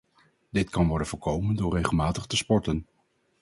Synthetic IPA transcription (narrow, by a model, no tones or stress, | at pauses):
d̥ɪtkɑnʋɔɹdənvʊːɹkowməndʊːɹrejχəlˠmaːtəχtəspɔɹtən